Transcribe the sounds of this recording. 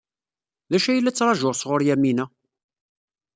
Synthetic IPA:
ðæʃæjlːæt͡sːɾˤɑʒʊʁsʁoɾjæminæ

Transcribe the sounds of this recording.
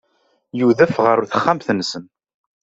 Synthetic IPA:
juðəfʁəɾʊθə̥χːamθnːsən

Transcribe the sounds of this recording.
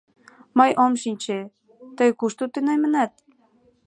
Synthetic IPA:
məjʔomʃinʲt͡ɕe | t̪əjkuʃt̪ut̪enɑjmə̆næt̪̚

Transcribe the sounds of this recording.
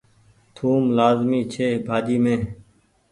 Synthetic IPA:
t̪ʰuːmlaːzmiːt͡ʃʰeːbʱaːd͡ʒiːmẽː

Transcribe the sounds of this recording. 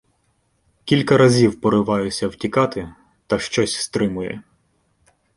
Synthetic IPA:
kʲilʲkɐɾɐzʲiwpɔɾɪʋɑjʊsʲɐwtʲikɑt̪ɪ | t̪ɐʃt͡ʃɔsʲst̪ɾɪmʊjɛ̰

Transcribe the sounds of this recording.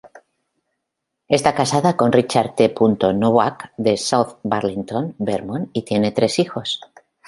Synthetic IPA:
e̞st̪akasaðako̞nrit͡ʃaɾt̪epunt̪o̞noβakd̪esawθbaɾlint̪o̞nbeɾmõnit̪je̞ne̞t̪ɾe̞sixo̞s

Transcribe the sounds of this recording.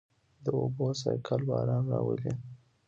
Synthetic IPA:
d̪əobosɑjkʰalbɑɾɑnɾɑwəli

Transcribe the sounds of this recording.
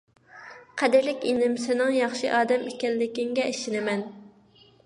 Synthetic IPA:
qʰɛd̪ɪɾlɪkʲenɪmsɪnɪŋjɑχʃiʔɑːd̪ɛmekʲɛlːɪkʲɪŋɡʲɛʔeʃɪnɪmɛn

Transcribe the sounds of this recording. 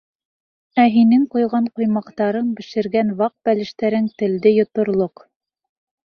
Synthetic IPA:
æɦinɘŋqujʁɑɴqujmɑqt̪ɑɾɤɴbɘ̆ʃɘ̆ɾɡænwɑq̚bælɘ̆ʃt̪æɾɘŋt̪ɘ̆ld̪ɘjŏt̪ŏɾlˠoq

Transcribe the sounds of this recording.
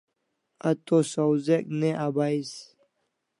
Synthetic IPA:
ɐt̪osowzekneʔabais

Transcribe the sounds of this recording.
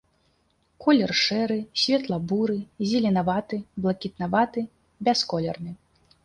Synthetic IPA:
kʰɔlʲɛrʂɛɾɨsʲvʲɛt̪lˠɐbuɾɨzʲɛlʲɛnavat̪ɨblˠɐkʲit̪navat̪ɨ | bʲaskɔlʲɛrnɨ

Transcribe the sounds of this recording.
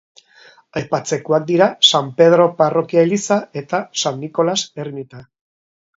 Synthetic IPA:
ajpat͡se̞koak̚d̪iɾasampe̞ð̞ɾo̞paro̞kiaelisae̞t̪asanːiko̞lase̞ɾmit̪a

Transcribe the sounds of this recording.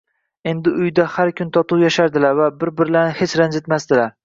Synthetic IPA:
e̞nd̪ɪʊjd̪ahaɾkʲʰʊnt̪ʰɒt̪ʰʊwjaʃaɾd̪ɪlaɾvabɪɾbɪɾɪlanɪhet͡ʃɾand͡ʒ̪et̪masd̪ɪlaɾ

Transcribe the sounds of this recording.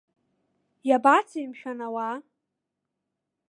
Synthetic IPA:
jabat͡sʰijmʃᶣanawa

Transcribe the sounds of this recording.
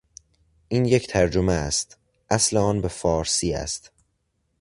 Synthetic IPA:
ʔiːnje̞cʰt̪ʰæɾd͡ʒomeæst̪ | ʔæsleɒːnbe̞fɒːɾsiːæ̰st̪

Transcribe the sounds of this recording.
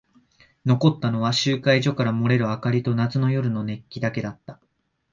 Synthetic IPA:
no̞ko̞t̪ːano̞βaɕɨːkaiʑo̞kaɾamo̞ɾe̞ɾɯ̟akaɾʲit̪o̞nat͡sɨno̞jo̞ɾɯ̟no̞ne̞kʲːid̪ake̞d̪at̪ːa

